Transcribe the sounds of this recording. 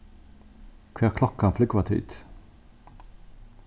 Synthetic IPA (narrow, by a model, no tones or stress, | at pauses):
kʰʋæːʁkʰlɔkanflʏɡkʋɑt̪ʰy̰ːt̪